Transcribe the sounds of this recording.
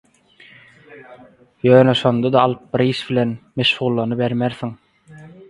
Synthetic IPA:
jøːneʃo̞nd̪ɑd̪ɑːlˠɯp̚biɾiːʃbilʲenmeʃʁuːlˠːɑnɯbeɾmeɾθiŋ

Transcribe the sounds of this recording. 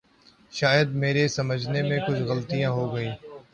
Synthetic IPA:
ʃaːjəd̪̚meːɾesəməd͡ʒʱnemẽkʊd͡ʒʰɣəlt̪ijãːɦoːɡəiː

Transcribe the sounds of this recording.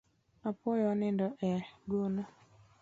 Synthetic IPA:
apʊjɔnɪndɔʔɛɡona

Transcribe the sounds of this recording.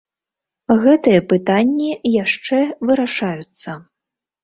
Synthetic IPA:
ɣɛt̪ɨjɐpɨt̪anʲːijaʂt͡ʂɛvɨɾaʂajut̪sːɐ

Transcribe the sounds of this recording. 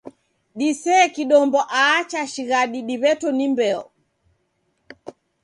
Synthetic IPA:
ɗisɛːkiɗɔmbɔʔaːt͡ʃaʃiɣaɗiɗiβɛtɔnimbɛɔ

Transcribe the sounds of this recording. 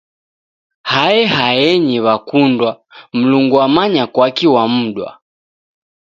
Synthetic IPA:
haɛhajɛɲiβakundwa | m̩luŋɡuamaɲakwakiwam̩ɗwa̰

